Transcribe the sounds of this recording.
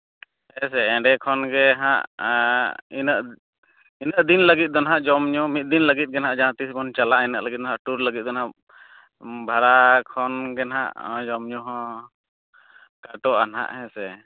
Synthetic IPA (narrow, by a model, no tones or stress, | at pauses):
hɛ̃sɛɛ̃ɖɛkʰɔnɡɛɦã̰ʔ | inəʔ | inəʔd̪inləɡit̪̚d̪ɔnɦaʔd͡ʒɔmɲɔmit̪̚d̪inləɡit̪̚ˀɡɛnɦaʔd͡ʒaãt̪iskɔnt͡ʃalaʔɛnəʔləɡit̪̚ˀdɔnɦaʔʈuɾləɡit̪̚d̪ɔnɦa | bʱaɾakʰɔnɡɛnɦa̰ʔd͡ʒɔmɲɔɦɔ̃ | kaʈɔʔanɦa̰ʔhɛ̃sɛ